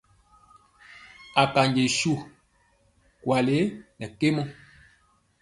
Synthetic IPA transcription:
a˨ka˨ɲɟe˨ʃu˦˨ | kwa˨le˨˦nɛ˨ke˦mɔ˦

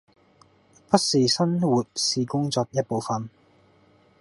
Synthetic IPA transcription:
pɐ˥t̚siː˨˩sɐ˥nwu˨t̚siː˧kʊ˥ŋt͡sɔː˧k̚jɐ˥t̚po˨˧wfɐ˨n

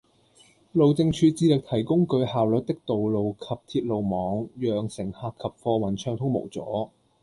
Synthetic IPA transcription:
lo˨wt͡sɪ˧ŋt͡ʃʰyː˨˧t͡siː˧lɪ˨k̚t̪ʰɐ˨˩jkʊ˥ŋkɵ˧ɥhaː˨wlɵ˨t̚t̪ɪ˥k̚t̪o˨wlo˨wkʰɐ˨p̚t̪ʰiː˧t̚lo˨wmɔː˨˥ŋjœː˨ŋsɪ˨˩ŋhaː˧kʰːɐ˨p̚fɔː˧wɐ˨˩nt͡ʃʰœː˧ŋt̪ʰʊ˥ŋmo̰˨˩wt͡sɔ̰ː˨˥

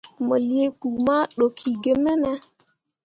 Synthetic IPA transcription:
mo˨li˨e˦ku˨ma˦ɗo˨kʰi˨ɡe˨mɛ˦nɛ˦

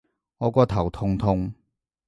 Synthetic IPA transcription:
ŋɔː˨˧kʷɔː˧t̪ʰɐ˨˩wt̪ʰʊ˧ŋt̪ʰʊ˧ŋ

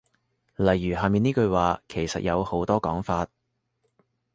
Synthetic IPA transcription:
lɐ˨˩jːyː˨˩ɦaː˨miː˨niː˥kɵ˧ɥwaː˨˧kʰe˨˩jsɐ̰˨t̚jɐ˨˧who˨˥wt̪ɔː˥kɔː˨˥ŋfaː˧t̚

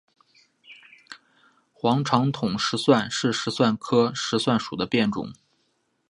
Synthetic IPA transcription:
xwɑ˧˥ŋʈ͡ʂʰɑ˧˥ŋt̪ʰʊ˨˩ŋʂɻ̩˧˥swa˥˧nʂɻ̩˥˩ʂɻ̩˧˥swa˥˩nkʰɤ˥ʂɻ̩˧˥swa˥˩nʂu˨˩d̪ə˦pjɛ˥˩nʈ͡ʂʊ̰˨˩˦ŋ

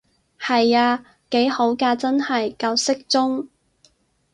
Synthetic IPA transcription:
hɐ˨jaː˧ | ke˨˥jho˨˥wkaː˧t͡sɐ˥nhɐ˨jkɐ˧wsɪ˥k̚t͡sʊ˥ŋ

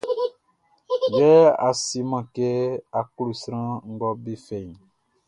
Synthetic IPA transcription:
bɛ˦a̰˨si˦mã˨ke˦a˨ku˦lu˨sɾ̃ã˦ŋ̩˦ɡɔ˦bi˦fɛ˨ɲ˨

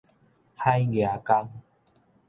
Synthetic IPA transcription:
ha˦jɡe˨a˨˩ka˦ŋ

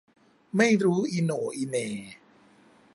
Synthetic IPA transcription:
ma˥˩jɾuː˦˥ʔiː˧noː˨˩˦ʔi˧neː˧

